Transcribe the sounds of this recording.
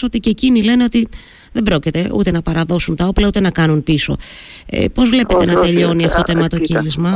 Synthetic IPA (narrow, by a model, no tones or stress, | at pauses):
o̞t̪icecinile̞ne̞ot̪i | ðe̞bɾo̞cit̪e̞ṵt̪e̞nɐpɐɾɐðo̞sunt̪ɐoplɐut̪e̞nɐkɐnunpiso̞̰ḛpo̞zvle̞pe̞t̪e̞nɐt̪e̞ʎo̞niɐft̪o̞t̪oemɐt̪o̞cilizmɐ